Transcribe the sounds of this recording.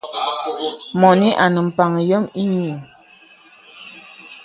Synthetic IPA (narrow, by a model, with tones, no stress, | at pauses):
mɔ˨ni˦ʔa˨nə˨m̩˨pa˨ŋə˨jɔ˦mi˦ɲu˨